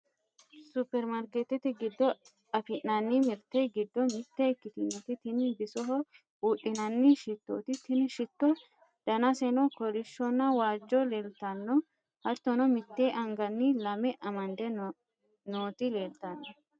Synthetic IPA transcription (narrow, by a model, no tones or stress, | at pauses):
sʊpːɛɾmɐɾket̪ɛt̪ɪɡɪd̪ːɔ | ɐfɪnːɐnːɪmɪɾt̪eɡɪd̪ːɔmɪt̪ːeɛkːɪt̪ɪnːɔt̪ɪt̪ɪnɪbɪsɔɦɔ | uːʔɪnɐnːɪʃɪt̪ːo̰ːt̪ɪt̪ɪnʃɪt̪ːɔ | d̪̥ɐnɐsɛnɔkɔɾɪʃːɔnːɐwaːd͡ʒːɔleːlt̪ɐnːɔ | hɐɾt̪ːɔnɔmɪt̪ːeːʔɐŋɡɐnːɪlɐmɛʔɐmɐnd̪ɛ | noːt̪ɪleːlt̪ɐnːɔ